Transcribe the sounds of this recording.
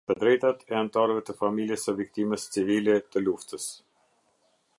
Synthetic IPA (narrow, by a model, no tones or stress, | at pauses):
t̪əd̪ɾɛjt̪at̪ɛant̪aɾəvɛt̪əfamiljəsəvik̚t̪iməst͡sivilɛt̪əluft̪əs